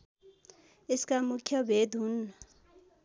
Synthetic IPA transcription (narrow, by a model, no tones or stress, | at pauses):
eskamukʰɔbed̪una